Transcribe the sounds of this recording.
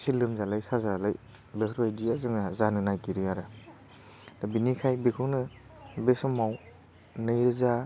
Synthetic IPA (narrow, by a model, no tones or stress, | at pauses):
silɯmzalajsazalaj | bekʰɾajdiazɯŋazanɯnajkiɾɯaɾɯ | dabinikʰajbekʰɯwnɯ | besɔmaw | nɯjɾɯza